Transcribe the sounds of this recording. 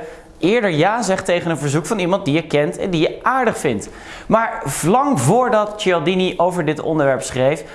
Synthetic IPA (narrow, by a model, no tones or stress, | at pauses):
ʔɪːɹdəɹjaːzɛχtejχənənvəɹzukfɑnimɑnt̚dijəkɛntɛ̰ndijəʔaːɹdəχfɪnt | maːɹvlɑŋvʊːɹdɑtt͡ʃɪlˠdiniʔowvəɹdɪtɔ̰ndəɹʋɛɹpsχrejf